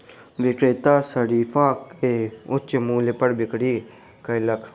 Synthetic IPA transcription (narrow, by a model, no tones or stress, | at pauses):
ʋɪkɾeːt̪aːsəɾiːfʰãːkeʊt͡ʃmuːlepəɽbɪkɽiː | kəjləkʰ